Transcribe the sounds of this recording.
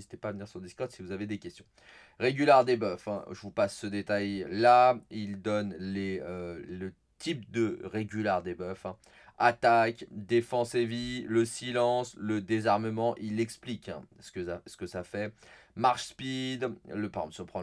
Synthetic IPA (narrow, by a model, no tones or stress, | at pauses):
zit̪epavəniʁsɔ̃d̪iskɔʁd̪sivuzaved̪ekʲɛst̪jɔ̃ | ʁeɡʲylaʁd̪ebœfɛ̰̃ʒəvupasːəd̪et̪ajlaild̪ɔnleølə | t̪ʰip̚d̪əʁeɡʲylaʁd̪ebœfɛ̃ | at̪akd̪efɑ̃seviləsilɑ̃sləd̪ezaʁməmɑ̃ʔilɛksplikɛ̰̃sə̥kəsə̥kəsafɛmaʁʃspid̪ləpaʁɡɑ̃sɔpχɑ̃